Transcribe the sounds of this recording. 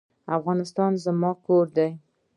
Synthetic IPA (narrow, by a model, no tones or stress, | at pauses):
afɣɑnɪst̪ɑnzəmɑkoɾd̪aj